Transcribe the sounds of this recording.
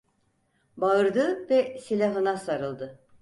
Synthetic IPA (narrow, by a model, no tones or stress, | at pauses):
baɯɾd̪ɯvɛselʲaɦɯnasaɾɯlˠd̪ɯ